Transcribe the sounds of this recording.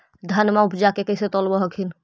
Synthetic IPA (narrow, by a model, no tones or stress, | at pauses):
d̪ʱənmaupd͡ʒakekɛjset̪ɔlbɔɦəkʰin